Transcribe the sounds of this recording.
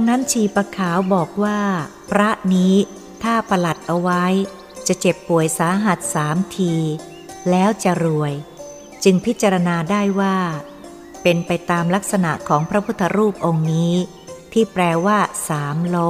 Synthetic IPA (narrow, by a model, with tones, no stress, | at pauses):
a˧ŋna˦˥nt͡ɕʰiː˧˩pa˧kʰaː˩˦wbɔː˨˩k̚waː˥˩pʰɾa˦˥ʔniː˦˥ | t̪ʰaː˥˩pʰa˧la˨˩t̪̚ʔa˧wa˦˥j | t͡ɕa˨˩ʔt͡ɕe˨˩pːu˨˩əjsaː˩˦ɦa˨˩t̪̚saː˩˦mt̪ʰiː˧ | lɛː˦˥wt͡ɕa˨˩ɾu˨˩əj | t͡ɕɯ˧ŋpʰi˦˥t̪̚t͡ɕa˧ɾa˧naː˧daː˥˩jwaː˥˩ | pe˧npa˧jt̪aː˧mla˦˥k̚sa˧na˨˩ʔkʰɔː˩˦ŋpʰɾa˦˥pʰu˥t̪ʰːa˧ɾuː˥˩p̚ʔo˧ŋniː˦˥ | t̪ʰiː˥˩pɾɛː˧waː˥˩saː˩˦mlo˦˥k̚